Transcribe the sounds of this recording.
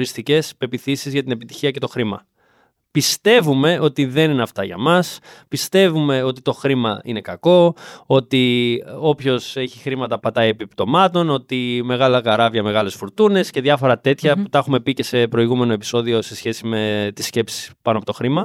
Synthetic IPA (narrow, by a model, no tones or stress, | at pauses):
ɾist̪ice̞spe̞piθisizʝɐt̪ine̞pit̪i̥çiɐce̞t̪o̞xɾimɐ | pist̪e̞vume̞ʔo̞t̪iðe̞nineɐft̪ɐʝɐ̰mɐspist̪e̞vume̞o̞t̪it̪o̞xɾimɐine̞kɐko̞o̞t̪io̞pço̞se̞çixɾimɐt̪ɐpɐt̪ɐiepipt̪o̞mɐt̪o̞no̞t̪ime̞ɣɐlɐkɐɾɐvʝɐme̞ɣɐle̞sfuɾt̪une̞sceðʝɐfo̞ɾɐt̪e̞t̪çɐput̪ɐxume̞pice̞se̞pɾo̞iɣume̞no̞epi̥so̞ðio̞se̞sçe̞sime̞t̪isce̞psi̥spɐnoɐpot̪o̞xɾimɐ